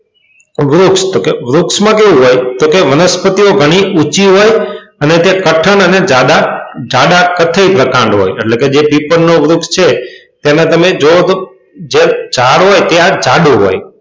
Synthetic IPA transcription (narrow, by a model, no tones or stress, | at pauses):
ʋɾʊkst̪okeʋɾʊksmãkeʋũɦojt̪okeʋənəspət̪ioɡʱəɽ̃iʔut͡ʃiɦojənet̪ekəʈʰəɳəned͡ʒaɗ̪ad͡ʒaɗakət̪ʰəipɾəkãɳɖɦo̰jeʈleked͡ʒepipəɾnoʋɾʊkst͡ʃʰet̪jenet̪əmed͡ʒot̪ | d͡ʒed͡ʒaɽɦojt̪ead͡ʒaɗuɦo̰j